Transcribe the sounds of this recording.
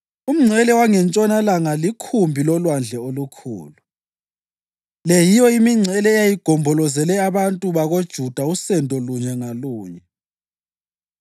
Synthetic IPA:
um̩ŋ͡ǀʱɛlɛwaŋɛnt͡ʃʼɔnalaŋalikʰumbʱilɔlwand͡ɮʱɛolukʰṵːlu | lɛjijɔimiŋ͡ǀʱɛlɛɛjajiɡ̥ʱɔmbʱɔlɔzɛlɛaβantʼuβaɣod̥ʒ̥ʱud̥ʱausɛndʱɔluɲɛŋaluːɲɛ

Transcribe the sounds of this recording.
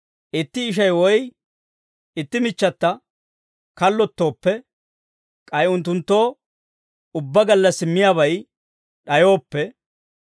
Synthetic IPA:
ʔɪt̪ːɪːʃ̬ɐjwɔj | ɪt̪ːɪmɪt͡ʃːɐt̪ːɐ | kɐlːɔt̪ːo̞ːpːɛ | kʼɐjʊnt̪ːʊnt̪ːo̞ː | ʊbːɐɡɐlːɐsɪmːɪjaːbɐj | ɗɐjo̞ːpːɛ

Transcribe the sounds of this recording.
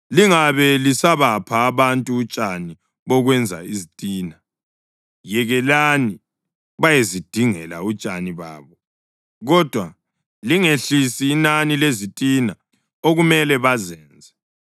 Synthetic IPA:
liŋaβɛlisaβapʰaːβantʼuːt͡ʃʼani | βɔɣwɛnd͡zʱa̰izitʼiːna | jɛɣɛlani | βajezid̥ʱiŋɛ̰la̰ut͡ʃʼaniβa̰ːβɔ | ɣɔd̥ʱwa | liŋeɬisiːnanilezitʼina | oɣumɛlɛβazɛːnd͡zʱɛ

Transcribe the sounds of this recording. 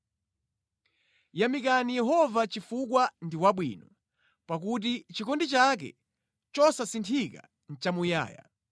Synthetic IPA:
jamik̬anijɛɦɔvat͡ʃifuk̬wandiwaɓwḭːnɔ | pak̬ut̬it͡ʃikɔndit͡ʃak̬ɛ̰ | t͡ʃɔsasintʰika̰ | n̩t͡ʃamuja̰ːja̰

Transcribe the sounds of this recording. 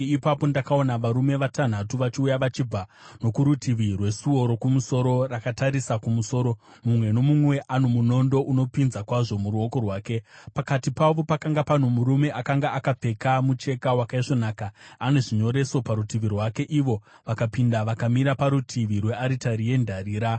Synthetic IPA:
ipapo̞ndakao̞naʋaɾume̞ʋatan̤atuʋat͡ʃiujaʋat͡ʃib͡vano̞kuɾutʰiʋirwe̞suo̞ɾo̞kumuso̞ɾo̞rakataɾisakumuso̞ːɾo̞mumwe̞no̞mumwe̞ʔanomuno̞ndo̞ʔuno̞pinzakwaʐo̞muɾuo̞ko̞rwaːke̞pakatipaʋo̞pakaŋɡapan̤umuɾume̞ʔakaŋɡaakap͡fe̞kamut͡ʃe̞kawakaiʐo̞naːkaːne̞ʐiɲo̞ɾe̞so̞paɾutiʋirwake̞ʔiʋo̞ | ʋakapindaʋakamiɾapaɾutʰiʋirwe̞aɾitaɾije̞ndʱariːɾa

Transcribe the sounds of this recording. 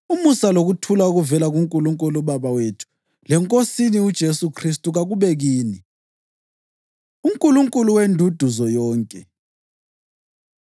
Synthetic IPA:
umusaloɣutʰulauɣuvɛlaɣuŋkʼuluŋkʼuluβaβawetʰu̥ | lɛŋkʼosiniud̥ʒ̥ʱesukʰris̬tʼuɣaɣuβɛɣiːni | uŋkʼuluŋkʼuluwendʱud̥ʱuzɔjɔːŋkʼɛ

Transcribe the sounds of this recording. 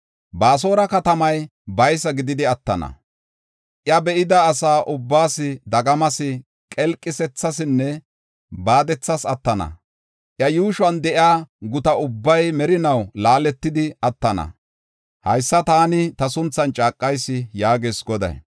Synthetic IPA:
baːs̬o̞ːɾɐkɐt̪ɐmɐjbɐjsɐɡɪd̪ɪd̪ɪɐt̪ːɐ̰nɐ̰ | ʔjɐbɛʔɪd̪ɐːsaːʔʊbːaːsɪd̪ɐɡɐmɐsɪ | kʼɛlkʼːɪsɛt͡sːɐsɪnːɛ | baːd̪ɛt͡sːɐsɐt̪ːɐnɐ̰ | ʔjɐjuːʃʊɐnd̪ɛʔɪaːɡʊt̪ɐʊbːɐjmɛɾɪnɐwlaːlɛt̪ːɪd̪ɪɐt̪ːɐnɐ̰ | hɐjsːɐt̪aːnɪt̪ɐsʊnt͡sːɐnt͡ʃʼaːkʼːɐjsːɪjaːɡeːsɡɔd̪ɐ̰j

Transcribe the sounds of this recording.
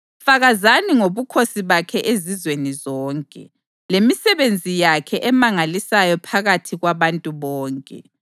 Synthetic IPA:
faɣazaniŋoβukʰosiβakʰɛʔezizwenizɔːŋkʼɛ̰ | lemisɛβend͡zʱijakʰɛʔɛmaŋalisajɔpʰaɣatʰiɣwaβantʼuβɔːŋkʼɛ̰

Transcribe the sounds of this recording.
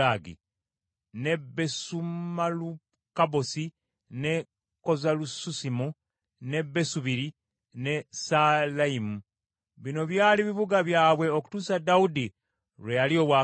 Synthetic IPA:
aɡḭ | ne̞be̞sumalu | kabo̞si | ne̞ | ko̞zalususimu | ne̞bːe̞suβiɾi | ne̞salaimu | βino̞βjaːliβiβuɡaβjaːβwe̞oku̥tuːsadaudi | ɾwejalio̞βwa

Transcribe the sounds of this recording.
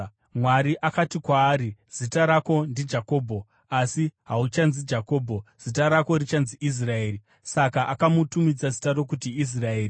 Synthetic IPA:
mwaɾiʔakatikwaːɾiz̥itaɾako̞ndid͡ʒako̞ːbʱo̞ | asiɦaut͡ʃanzid͡ʒako̞ːbʱo̞z̥itaɾako̞rit͡ʃanziʔis̬rae̞ːri | sakaʔakamutumid͡zazitaɾo̞k̬utiːs̬rae̞ːri

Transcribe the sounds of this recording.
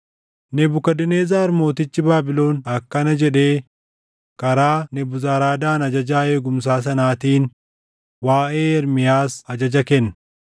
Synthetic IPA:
nɛbʊkɐd̪ɪneːzaːɾmo̞ːt̪ɪt͡ʃːɪbaːbɪlo̞ːnɐkːɐnɐd͡ʒɛᶑe̞ː | kɐɾaːnɛbʊzaːɾaːd̪aːnɐd͡ʒɐd͡ʒaːe̞ːɡʊms̬aːs̬ɐnaːt̪iːn | waːʔeːɛɾmɪjaːsɐd͡ʒɐd͡ʒɐkɛnːɐ

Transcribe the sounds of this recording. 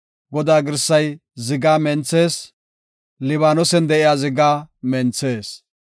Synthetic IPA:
ɡɔd̪aːɡɪɾsːɐjzɪɡaːmɛnt͡sːe̞ːs | lɪβaːnɔsɛnd̪ɛʔɪjaːzɪɡaːmɛnt͡sːeːs

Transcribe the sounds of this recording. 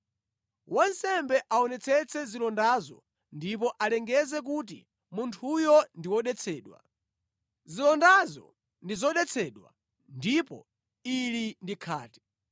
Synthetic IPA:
wɔnsɛmbɛʔaɔnɛt͡sʰɛt͡sʰɛzilɔndazɔ̰ | ndip̬ɔʔalɛŋɡɛzɛk̬ut̬ḭ | muntʰujɔndiwɔɗɛt͡sʰɛːɗwa̰ | zilɔndazɔ̰ | ndizɔɗɛt͡sʰɛːɗwa̰ | ndipɔ̰ | ilindikʰaːtɛ̥

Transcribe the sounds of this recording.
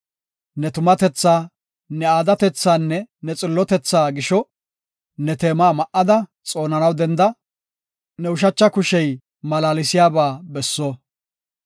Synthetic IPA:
nɛt̪ʊmɐt̪ɛt͡sːaː | nɛaːd̪ɐt̪ɛt͡sːaːnːɛnɛt͡sʼɪlːɔt̪ɛt͡sːaːɡɪʃɔ | nɛt̪e̞ːmaːmɐʔːɐd̪ɐ | t͡sʼo̞ːnɐnɐwd̪ɛnd̪ɐ | nɛʊʃ̬ɐt͡ʃːɐkʊʃɛj | mɐlaːlɪsɪjaːbaːbɛsːɔ

